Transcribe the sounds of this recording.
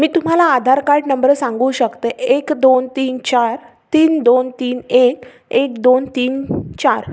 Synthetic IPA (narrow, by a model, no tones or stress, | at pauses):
miːt̪um̤alaːd̪ʱaɾkaɾʈnəmbəɾsãŋɡuːɕəkt̪eʔekd̪ont̪iːnt͡ɕaɾ | t̪iːnd̪ont̪iːnek | ekd̪ont̪iːnt͡ɕaɾ